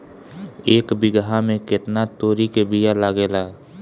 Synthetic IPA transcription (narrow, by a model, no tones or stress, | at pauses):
eːkbɪɡɦamẽkɪt̪nat̪oːɾikebijalaːɡeːlaː